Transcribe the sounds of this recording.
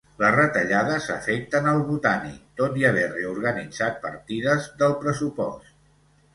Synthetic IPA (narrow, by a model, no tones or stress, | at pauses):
lərət̪əʎaðəzə̰fɛk̚t̪ənəlˠβut̪anḭt̪ot̪iəβ̞ɛreuɾɣənid͡zat̪̚pə̰ɾt̪iðəzðəlˠpɾəsupɔ̰st̪